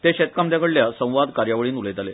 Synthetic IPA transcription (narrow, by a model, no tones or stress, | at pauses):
t̪eɕet̪̚kamd̪jakəɽljasə̃w̃ʋad̪kaɾjaʋəɭiːnulet̪ale